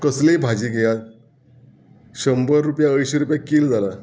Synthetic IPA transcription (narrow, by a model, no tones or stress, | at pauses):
kəslebʱad͡ʑiɡejat̪ | ɕəmbəɾːupjaəjɕeɾupjakiːld͡zala